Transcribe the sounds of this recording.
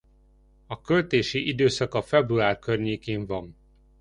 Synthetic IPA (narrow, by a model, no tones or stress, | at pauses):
ɒkø̞lt̪eːʃiʔid̪øːsɒkɒfɛbruaːrkørɲeːkeːɱvɒm